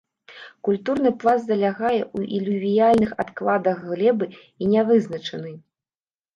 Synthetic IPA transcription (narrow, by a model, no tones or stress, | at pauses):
kulʲt̪urnɨplˠazd̪ɐlʲaɣajɛʔuʔḭlʲuvʲijalʲnɨxat̪klˠad̪ɐɣːlʲɛbɨ | inʲɛvɨznɐt͡ʂɐnɨ